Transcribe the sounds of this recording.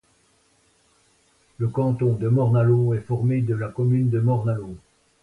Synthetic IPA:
ləkɑ̃t̪ɔ̃d̪əmɔʁnaloɛfɔʁmed̪əlakɔmynd̪əmɔʁnalo

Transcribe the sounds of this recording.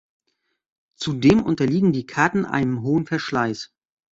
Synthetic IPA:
t͡sudeːmʔʊ̰ntɐliːɡŋ̩diːkʰaɐtn̩ʔa̰ɪnənɦoːənfɛɐʃlaɪs

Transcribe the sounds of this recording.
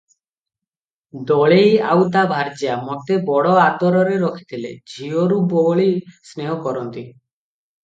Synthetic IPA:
d̪ɔɭejawd̪abʱaɾd͡ʒiamot̪ebɔɽɔad̪ɔɾɔɾeɾɔkʰi̥t̪ʰilḛd͡ʒʱioɾuboɭisneɦɔkɔɾɔnt̪i

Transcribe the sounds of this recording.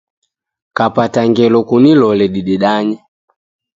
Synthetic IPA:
kapataŋɡɛlɔkunilɔlɛɗiɗiɗaɲɛ

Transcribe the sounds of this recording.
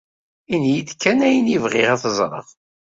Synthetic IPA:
injid̪kːænæjənivʁɪʁæθəzˤɾˤə̰ʁ

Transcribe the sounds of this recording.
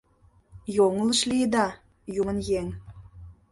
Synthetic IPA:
joŋə̆lə̆ʃlied̪ɑ | jumə̆njeŋ

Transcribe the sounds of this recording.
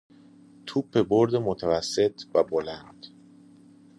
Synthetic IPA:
t̪ʰupʰːe̞boɾd̪emot̪ʰævæsːe̞t̪ʰvæbolænd̪̥

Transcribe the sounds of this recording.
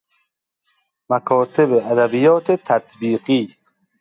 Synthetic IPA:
mækʰɒːt̪ʰebeæd̪æbijɒːt̪ʰet̪ʰæt̪biːɢiː

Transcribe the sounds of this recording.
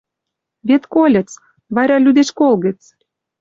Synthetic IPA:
βet̪kolʲə̆t͡s | βɑɾɑlʲyd̪eʃkolɣə̆t͡s

